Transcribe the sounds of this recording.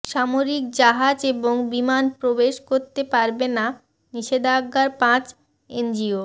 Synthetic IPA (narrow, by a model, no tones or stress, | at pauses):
ʃamoɾik̚d͡ʑaɦad͡ʑeboŋbimanpɾobeʃkoɾt̪epaɾbena | niʃed̪aaɡːaɾpãt͡ɕ | end͡ʑio